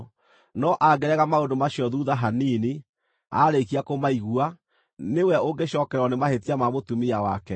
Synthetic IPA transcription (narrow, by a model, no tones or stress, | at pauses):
nɔʔaɡɛɾɛɣamaondomaɕiɔðuðaɦaniːne | a̰ɾekiakomaiɣua | newɛoɡeɕɔːkɛɾɔnemahetiamamotumiawa̰kɛ